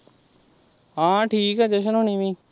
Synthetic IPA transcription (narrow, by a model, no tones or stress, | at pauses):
ɦãːʈʰiːkɛːd͡ʒeʃ̬ənɦoːɳiːʋĩː